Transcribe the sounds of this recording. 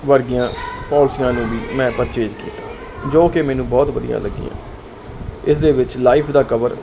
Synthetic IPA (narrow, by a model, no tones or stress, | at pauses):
ʋəɾɡɪjãːpɔːlsɪjãːnũːʋiːmɛ̃ːpəɾt͡ʃeːd͡ʒkḭːt̪ː | d͡ʒoːkemɛːnũːbɔːt̪ʋəd̪ɪijã̰ːləɡːɪ̰jã̰ː | ɪsd̪eːʋɪt͡ʃlaːɪːpʰd̪aːkəʋəɾ